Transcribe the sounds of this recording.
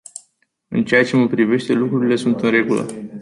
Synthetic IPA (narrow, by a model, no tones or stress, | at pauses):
ɨ̰nt͡ʃe̞jat͡ʃe̞məpɾive̞ʃt̪e̞lukɾuɾile̞sunt̪ɨnre̞ɡulə̰